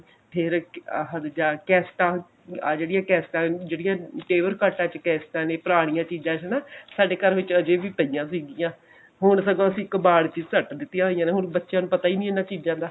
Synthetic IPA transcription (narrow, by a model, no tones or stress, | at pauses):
pʰɪɾ̰ɦəd̪d͡ʒaːkɛːsʈãː | d͡ʒeːɽijãːkɛːsʈãːd͡ʒeːɽijãːʈeːʋəɾkaːʈãːt͡ʃkɛːsʈãːnẽːpəɾaːɽ̃ijãːt͡ʃiːd͡ʒãːt͡ʃːnaːsaːɖeːkəɾʋɪt͡ʃəd͡ʒeːʋiːt̪əijãːsiːɡijãː | ɦʊɳsəɡõːəsĩːɪkbaːɽt͡ʃiːzsəʈd̪ɪt̪ːɪjãːɦoːijãːneːɦʊnbətːʃjãːnũːpət̪aːiːnĩːenːãːt͡ʃiːd͡ʒãːd̪aː